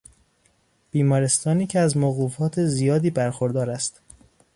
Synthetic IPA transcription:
b̥iːmɒːɾe̞st̪ɒːniːcʰeæzmoɣuːfɒːt̪ʰezijɒːd̪iːbæɾxoɾd̪ɒːɾæst̪

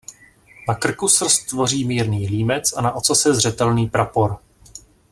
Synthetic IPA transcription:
nakr̩kusr̩st̪vo̞riːmiːɾniːliːmɛt͡sanaʔo̞t͡sasɛzr̝ɛt̪ɛlniːpɾapo̞ɾ

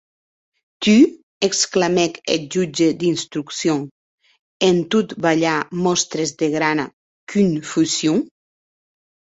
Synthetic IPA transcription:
t̪y | eksklamɛked͡ʒud͡ʒed̪inst̪ɾuksjo | ent̪ut̪baʎamɔst̪ɾezd̪eɣɾana̰ | kynfusjuŋ

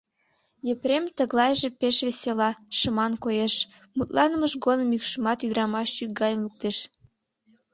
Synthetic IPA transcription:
jepɾemt̪əɣlɑjʒepeʃβeselɑʃəmɑnkojeʃ | mut̪lɑnəməʃɡod̪əmykʃəmɑt̪yd̪əɾɑmɑʃyk̚ɡɑjəmluk̚t̪eʃ

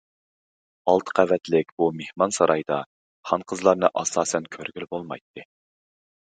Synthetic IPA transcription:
ɑlˠt̪ʰə̥qʰævɛt̪lɪkʲbumehmɑnsɑɾɑjd̪ɑ | χɑnqʰəzlˠɑɾnɨʔɑsɑːsɛnkʲʰøɾɡʲylbolˠmɑ̰jt̪ʰːɨ

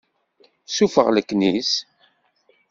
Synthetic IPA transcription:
sufə̰ʁləkːnis

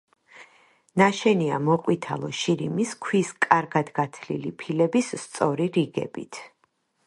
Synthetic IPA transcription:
naʃɛnia̰mɔqʼwit̪ʰa̰lˠɔʃiɾimiskʰwiskʼaɾɡad̪ɡat̪ʰlḭlipʰilɛbisːt̪sʼɔɾiɾiɡɛ̰bit̪ʰ

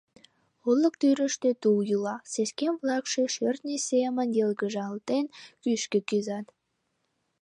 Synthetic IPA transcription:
ulˠːək̚t̪yɾəʃt̪et̪ujulɑseskemvlɑkʃeʃørt̪̚nʲisemənjelɡəʒɑlt̪enkyʃkekyzɑt̪

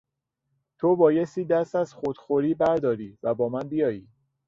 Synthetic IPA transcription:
t̪ʰobɒːjest̪iːd̪æst̪æzxod̪̥xoɾiːbæɾd̪ɒːɾiːvæbɒːmænbijɒːjiː

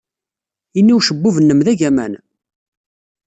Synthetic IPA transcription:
inːiwʃəbːuvənːəmðæʝæmæ̰n

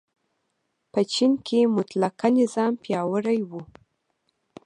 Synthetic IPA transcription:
pət͡ʃinkʰemʊt̪lakanɪzɑmpjɑwəɽajwu

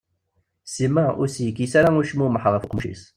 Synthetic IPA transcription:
simæʔʊɾsjəkːisaɾaʊɾʃmuməħʁˤəfəqmʃḭs

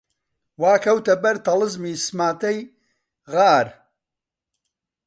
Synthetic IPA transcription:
waːkʰɐwt̪ɐbɐɾt̪ɐlɨzmiːsmaːt̪ɐj | ɣaːɾ

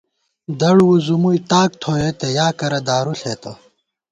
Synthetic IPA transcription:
d̪ɐɽwuzumujt̪aːk̚t̪ʰoːjet̪ejaːkɐɾɐd̪aːɾuɬeːt̪o

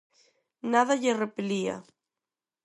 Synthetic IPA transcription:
naðaʎerepelia̰

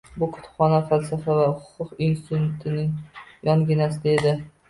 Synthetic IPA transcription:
bʊkʰʊ̥t̪ʰʊ̥pχɒnafalsafavahʊ̥qʰʊqɪnst̪ɪt̪ʊt̪ʰɪnɪŋjɒŋɡʲɪnasɪd̪aed̪ɪ

